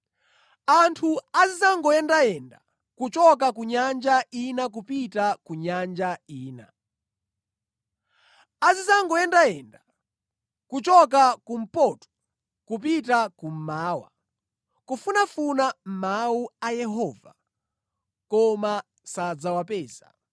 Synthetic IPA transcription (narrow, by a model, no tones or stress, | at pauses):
antʰuazizaŋɡɔjɛndajɛnda̰ | kut͡ʃɔk̬ak̬uɲand͡ʒainak̬upitakuɲand͡ʒaiːna̰ | azizaŋɡɔjɛndaɛnda | kut͡ʃɔk̬akum̩pɔtɔ̥ | kupitakum̩maːwa̰ | kufunafunam̩mauajɛɦɔva̰ | kɔma | sad͡zawapɛːza̰